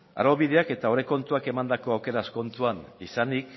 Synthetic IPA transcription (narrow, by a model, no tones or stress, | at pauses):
a̰ɾoβiðe̞ake̞t̪aoɾeko̞nt̪uake̞mand̪ako̞awke̞ɾasko̞nt̪uanisanik